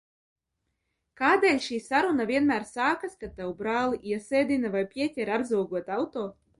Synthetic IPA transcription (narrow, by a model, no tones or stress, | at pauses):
kaːd̪eːlʲʃiːsaɾunavʲiɛnmæːɾsaːkaskat̪ːawbɾaːlˠiʔiɛseːd̪ʲinavajpʲiɛtʲɛɾabzuwɡuɔt̪awt̪oː